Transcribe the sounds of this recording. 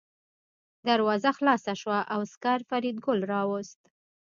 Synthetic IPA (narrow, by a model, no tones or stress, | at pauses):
d̪aɾwɑzaxlɑsaʃwaʔawskaɾfaɾid̪̚ɡʊlɾɑwʊst̪